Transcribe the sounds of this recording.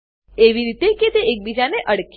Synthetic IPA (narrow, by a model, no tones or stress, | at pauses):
eʋiɾit̪eket̪eek̚bid͡ʒaneʔəɽk